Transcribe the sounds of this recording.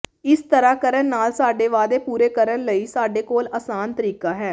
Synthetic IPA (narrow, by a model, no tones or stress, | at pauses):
ɪst̪əɾaːkəɾənːaːlsaːɖeːʋaːd̪eːpuːɾeːkəɾənləiːsaːɖeːkoːlaːsaːnt̪əɾiːkaːɦɛː